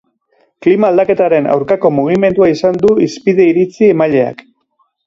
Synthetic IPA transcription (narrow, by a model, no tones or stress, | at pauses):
klimaːld̪ake̞t̪aɾe̞na̰wɾkako̞muɣ̞ime̞nd̪uaisand̪uispiðe̞iɾit͡siemaʎe̞a̰k